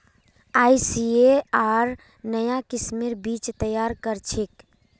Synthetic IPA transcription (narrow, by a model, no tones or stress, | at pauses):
aːisieaɾ | nəjakismiɾbit͡ʃt̪əjaɾkəɾt͡ʃʰek